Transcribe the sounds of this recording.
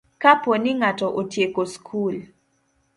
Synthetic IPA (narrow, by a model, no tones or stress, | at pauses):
kapɔnɪŋatɔʔotjekoskʰul